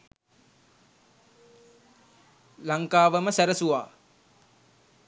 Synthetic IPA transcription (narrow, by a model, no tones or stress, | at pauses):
laŋkaːʋəməsæɾəsuʋa̰ː